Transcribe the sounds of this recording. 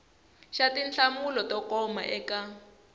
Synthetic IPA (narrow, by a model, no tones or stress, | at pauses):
ʃatinɬamulɔtɔkɔma̰ʔɛka